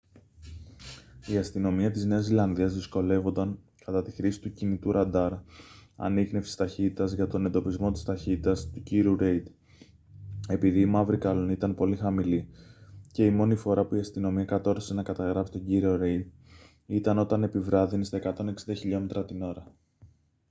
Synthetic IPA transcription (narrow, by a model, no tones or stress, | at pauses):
iɐst̪ino̞miɐt̪izne̞ɐszilɐnðiɐzðisko̞le̞vo̞nd̪ɐŋ | kɐt̪ɐt̪i̥xɾisi̥t̪ucinit̪uɾɐnd̪ɐɾɐ̰niɣne̞fsi̥st̪ɐçit̪it̪ɐzʝɐt̪o̞ne̞nd̪o̞pizmo̞t̪ist̪ɐçit̪it̪ɐst̪uciɾiuɾe̞jd̪ | e̞piðiːmɐvɾikɐlo̞nit̪ɐnpo̞lixɐmilice̞imo̞nifo̞ɾɐpuiɐst̪ino̞miɐkɐt̪o̞ɾse̞nɐkɐt̪ɐɣɾɐfsi̥t̪o̞ɲɟiɾio̞ɾe̞jd̪̚ | it̪ɐno̞t̪ɐne̞pivɾɐðinist̪ɐe̞kɐt̪o̞ne̞ksind̪ɐçiʎo̞me̞t̪ɾɐt̪ino̞ɾɐ